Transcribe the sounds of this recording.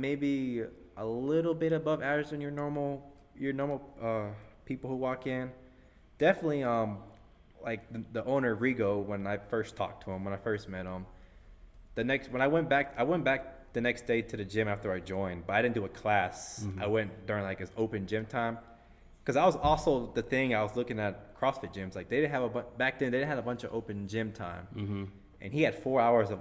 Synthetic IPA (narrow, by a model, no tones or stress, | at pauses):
meɪbi | ʔəlɪɾl̩ˠbɪɾɨbʌvæə˞zɨ̃njə˞nɔɹml̩ˠ | jə˞nɔɹml̩ˠʌpʰipl̩ˠhuwɔkɪ̃n | d̥ɛfənɨtˡliʌ̃m | laɪk̚ððiʔõʊ̃nə˞ɹiɡoʊwə̃naɪfɜ˞stʰɔ̰k̚tʰəə̃mwə̃ñaɪfɜ˞st̚mɛɾə̃m | ðɨnɛkst̚wə̃ñaɪwɛ̃nb̥æk̚aɪwɛ̃nb̥æk̚ | ðɨnɛksd̥eɪɾɨðɨd͡ʒɪ̃mæftə˞aɪd͡ʒɔ̃ɪ̃nbʌɾaɪɾɪdⁿn̩dɨɨkʰl̥æsaɪwɛ̃nd̥ʊɹɪ̃ŋlaɪkɨzoʊpɨ̃nd͡ʒɪ̃mtʰãɪ̃m | kʰʌzaɪwʌzɔlˠsoʊðɨθɪ̃ŋaɪwʌzlʊkɪ̃ŋɨt̚kʰɹ̥ɔsfɨt̚d̥ʒ̥ɪ̃mz̥laɪk̚ðeɪɾɪdⁿn̩ɨvəbʌ̃b̥æk̚ðɨ̃nðeɪdɪn̩ɨvəbʌ̃nt͡ʃʌvoʊpɨ̃nd͡ʒɪ̃mtʰã̰ɪ̃m | ʔɨ̰̃niɨd̥fɔɹaʊə˞zʌv